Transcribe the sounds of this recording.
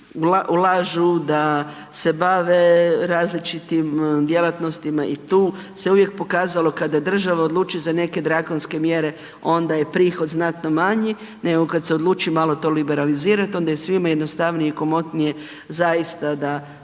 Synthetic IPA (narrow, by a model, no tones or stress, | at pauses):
uaʔulaʒud̪a | se̞baʋeɾaːzlit͡ʃit̪imd̪je̞lˠat̪no̞st̪imaʔit̪uː | se̞uʋje̞k̚po̞kaːzalo̞kad̪ajd̪r̩ʒaʋaod̪lˠuːt͡ʃuzane̞ke̞d̪ɾakonske̞mjeɾe̞ | o̞nd̪aje̞pɾiːxo̞d̪znat̪no̞maɲi | neɡokad̪seo̞d̪lˠuːt͡ʃiimalo̞t̪o̞ːlibe̞ɾaliziːɾat̪o̞nd̪ajesʋimajed̪nost̪aʋnijeikomo̞t̪nije̞ | zajist̪ad̪a